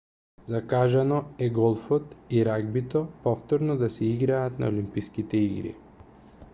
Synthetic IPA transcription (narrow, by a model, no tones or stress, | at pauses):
zakaʒanɔɛɡɔlˠfɔt̪iɾaɡ̚bit̪ɔpɔft̪ɔɾnɔd̪asɛiɡɾaːt̪na̰olimpiskit̪ɛiɡɾḭ